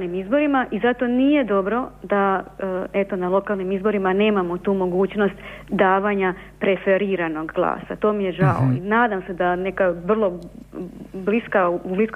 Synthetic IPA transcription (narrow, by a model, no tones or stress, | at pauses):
nimizbo̞ɾimaʔizat̪o̞nije̞d̪o̞bɾo̞d̪a | e̞t̪o̞nalˠo̞kalˠnimizbo̞ɾimane̞ːmamo̞t̪uːmo̞ɡuːt͡ɕno̞st̪ | d̪aːʋaɲa | pɾe̞fe̞ɾiːɾano̞ɡɡlˠa̰ːsa̰t̪o̞ːmije̞ʒao̰inaːd̪amse̞d̪ane̞kaʋr̩lˠo̞ | bliskaublisk